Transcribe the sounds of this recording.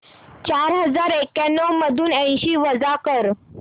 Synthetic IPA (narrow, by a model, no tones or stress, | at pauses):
t͡ɕaɾɦəd͡zaɾekanːəwməd̪ʱuːnə̃ɕiːʋəd͡zakəɾ